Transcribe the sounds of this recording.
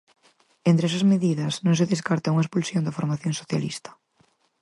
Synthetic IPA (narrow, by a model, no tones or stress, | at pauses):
ent̪ɾes̬azmeðiðɐsnõŋs̬eðeskaɾt̪auŋaespulsjond̪afoɾmaθjõŋsoθja̰lḭst̪ɐ̥